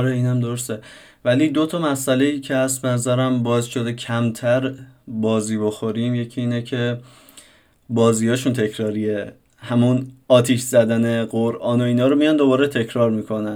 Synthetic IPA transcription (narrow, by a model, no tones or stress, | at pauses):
ɒɾeiːnæmd̪o̞ɾost̪e | væliːd̪o̞t̪ʰɒmæsʔæle̞jiːcʰehæst̪̚be̞næzæɾæmbɒːzʃo̞d̪e̞cʰæmt̪ʰæɾbɒːziːbo̞xo̞ɾiːmje̞cʰiiːnecʰe̞ | bɒːziːjɒːʃunt̪ʰe̞cʰɾɒːɾie | hæmunɒːt̪ʰiʃzæd̪æne̞ɢoɾʔɒːnoiːnɒːɾomijɒnd̪o̞bɒːɾet̪ʰe̞cʰɾɒːɾmiːkʰo̞næn